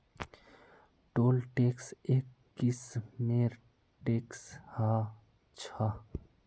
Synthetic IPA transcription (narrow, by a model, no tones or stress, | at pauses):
ʈoːlʈeksekːismeɾ | ʈeksha | t͡ʃʰa